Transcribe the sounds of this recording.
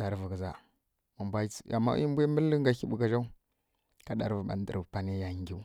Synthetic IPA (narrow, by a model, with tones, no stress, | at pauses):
da˨ɾvə˨ɡza˨ | mu˨mbʷa˦a̰˨mːa̰˦i˦mbʷa˦mə˦lːə˦ŋ˦ɡa˨ki˦ɓu˨ka˦ʒa˦u˦ | ka˦da˨ɾvə˨ɓa̰˨n˦də̰˨ɾpa˦ni˦ja˨ŋɡʲi˦u˦